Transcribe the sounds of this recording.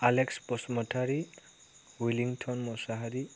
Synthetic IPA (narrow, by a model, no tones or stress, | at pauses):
alekspɔsmɔtʰaɾi | wiliŋtʰɔnmɔsaɦaɾi